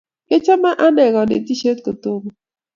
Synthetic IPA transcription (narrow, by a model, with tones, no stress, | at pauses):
ke˦t͡ʃa˦ma˦ʔa˦nɛ˨ɣɔ˨nḛ˨ti˦ʃe˦t̚kə˨to˦mo˨